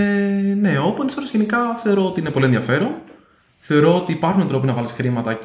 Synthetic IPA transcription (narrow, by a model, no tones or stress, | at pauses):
ene̞o̞pont̪isolozʝenikɐθe̞o̞ɾo̞ot̪iine̞polieðiɐfe̞ɾon | θe̞o̞ɾo̞ot̪iːpɐɾxunɐnt̪ɾo̞p̬inɐvɐlisxɾimɐt̪ɐ